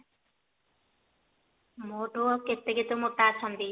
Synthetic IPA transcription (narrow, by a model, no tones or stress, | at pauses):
moʈoket̪ːeket̪omot̪ːat͡ʃʰɔnd̪i